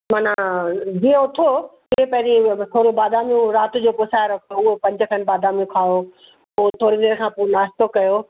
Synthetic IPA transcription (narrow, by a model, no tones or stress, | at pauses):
maːnad͡ʑiːẽʊt̪ʰo | ɪɦẽpɐ̃ɦɪ̃ɾit̪ʰoːɾibaːd̪aːmijũɾaːt̪ʊ̆d͡ʑoːpʊsaːɾɐkʰoʊɦopɐ̃ɲd͡ʑə̆kʰɐn̆baːd̪aːmjũkʰaːo | ʊot̪ʰoːɾid̪eːɾkʰãːpuːnaːst̪okɐjo